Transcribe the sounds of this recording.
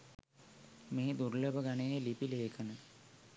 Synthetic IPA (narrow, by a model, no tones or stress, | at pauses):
meːd̪uɾləbəɡanejelipileːkʰənə